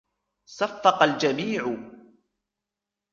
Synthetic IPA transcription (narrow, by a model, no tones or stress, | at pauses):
safːɑqɑld͡ʒamiːʕʊ